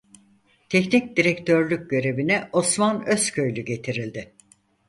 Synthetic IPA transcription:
t̪ʰɛcnic̚d̪iɾɛct̪ʰøɾlʲyk̚ɟø̞ɾe̞binɛʔo̞smanøsckʰøjlʲyɟe̞t̪ʰiɾilʲd̪ɪ

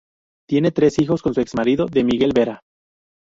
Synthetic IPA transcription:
t̪je̞ne̞t̪ɾe̞sixo̞sko̞nsue̞ksmaɾiðo̞ðe̞miɣe̞lβe̞ɾa

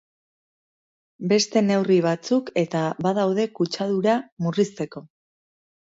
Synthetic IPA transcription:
be̞st̪e̞ne̞wriβ̞at͡suke̞t̪aβað̞awð̞e̞kut͡ʃað̞uɾamurist̪e̞ko̞

